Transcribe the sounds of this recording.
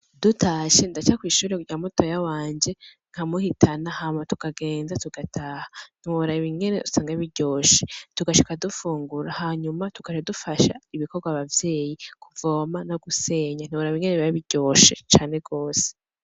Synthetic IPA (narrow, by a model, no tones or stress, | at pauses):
d̥utaʃe̞ndat͡ʃakwiːʃuːɾekuɟamoto̞jawaːɲd͡ʒe̞ | ŋ̥ʰamuhitʰanahamatukaɡe̞ːnzatuɡ̥atʰaːhan̥ioɾaβiŋɡe̞neusaːŋɡaβiɟo̞ːʃetuɡaʃikadufuːŋɡuɾahaɲumatuɡ̥aʃadufaʃa̰iβikoɾɡwaβavje̞ːjikʰuvo̞ːmanoɡuse̞ːɲan̥iβoɾaβiŋɡe̞neβiβaβiɟo̞ːʃet͡ʃaːne̞ɡo̞ːse̥